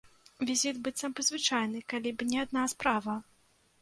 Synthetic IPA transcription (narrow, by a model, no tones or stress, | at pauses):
vʲizʲit̪bɨt̪sɐpɨd̪zvɨt͡ʂajnɨkalʲibɨnʲɛad̪naspɾavɐ